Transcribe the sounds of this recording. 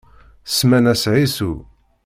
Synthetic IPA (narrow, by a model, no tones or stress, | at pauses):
smænæsʕisu